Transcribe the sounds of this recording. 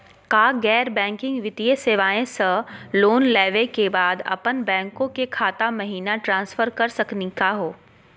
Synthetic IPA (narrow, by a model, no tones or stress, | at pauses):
kaːɡɛːɾbɛ̃ːŋkɪ̃ŋɡʋɪt̪iəseːʋaːẽsɐ̃loːnlɛːʋekebaːd̪ɐ̰pənbɛ̃ːŋkõkekʰaːt̪amɐɦiːnaʈɾãːnsfəɾkɐɾsɐknikaɦoː